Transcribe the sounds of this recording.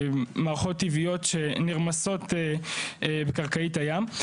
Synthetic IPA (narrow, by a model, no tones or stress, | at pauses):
maːʁaχotːivijo̞tʃeniʁmaso̞te | bekaʁkaitajam